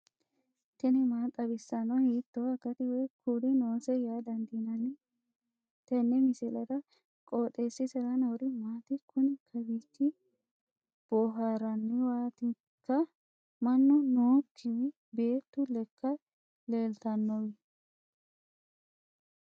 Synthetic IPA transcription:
t̪ɛnɪmaːt̪ʼɐbɪsːɐnɔhiːt̪ːɔɐɡɐt̪ɪwɛjkuːd̪ɪnoːsɛjaːd̪ɐnd̪inɐnɪ | t̪ɛnːɛmɪsɛlɐd̪ɐ | kʼoːt̪ʼːeːsːɪsɛɾɐnɐwɾɪmaːt̪ɪkʰʊnɪkʰɐbiːt̪ːɪ | b̥oːɦaːɾɐnːɪwaːt̪ɪ | kːɐ | mɐnːɔnoːkʰːɪwɪ | be̞ːt̪ːʊlɛkʰːɐ | leːlt̪ɐnːɔwɪ

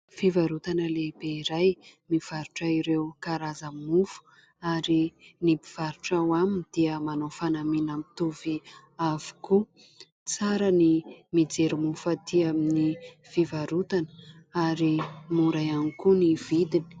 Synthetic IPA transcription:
fivaɾut̪anəlebeiɾajmiv̥aɾuʈ͡ʂaiɾewkaɾazammufu̥ | aɾinipiv̥aɾuʈ͡ʂawaminid̪̥iəmanofanaminamit̪uvi | avu̥ku | t͡saɾənimid͡zeɾimufat̪iamini | fivaɾut̪anə | aɾimuɾajanikuniv̥id̪ini̥

